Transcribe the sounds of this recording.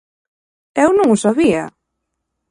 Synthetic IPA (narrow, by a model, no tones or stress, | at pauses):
ɛwnũŋʊsaβia̰